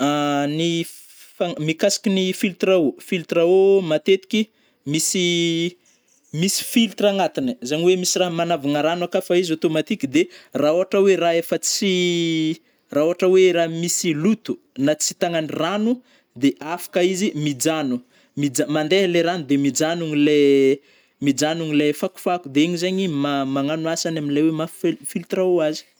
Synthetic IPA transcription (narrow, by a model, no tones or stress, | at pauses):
ani | famikasi̥kʲinifilt̪raofilt̪raomat̪et̪i̥kʲi | misi | misi̥filt̪raŋat̪inəzaɲiwemisiraɦmanavanaɾanakafaizot̪omat̪ikʲid̪eraoɦaʈ͡ʂəweɾaefət͡si | raɦoɦaʈ͡ʂəweɾaɦmisilut̪u | nat͡si̥t̪aŋaniranu | d̪eʔafḁkaizimid͡ʒanu | mid͡zamand̪eleɾanud̪emid͡ʒanuŋile | mid͡ʒanuŋilafaku̥fakud̪eeɲizaɲimamaŋanuasanaminlajwemaffilt̪raoazi̥